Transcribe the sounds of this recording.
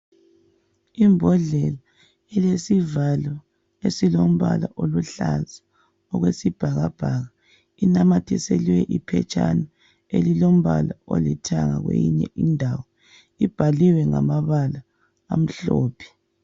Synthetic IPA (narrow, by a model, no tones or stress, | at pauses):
imbʱɔɮɛla | ɛlesivalɔ | esilom̩βalaʔoluɬaza | ɔɣwesib̥ʱaɣab̥ʱaɣa | inamatʰiseliwɛʔipʰɛ̰t͡ʃʼanɔ | elilom̩βalaolitʰaŋa̰ɣwḛjiɲɛʔindʱawɔ | ib̥ʱaliwɛŋa̰maβalaː | m̩ɬɔːpʰi̥